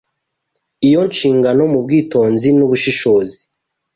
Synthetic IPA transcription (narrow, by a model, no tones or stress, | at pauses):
ijo̞nʃiːŋɡano̞mub̚ɡiːtoːnzinuβuʃiʃo̞ːzi̥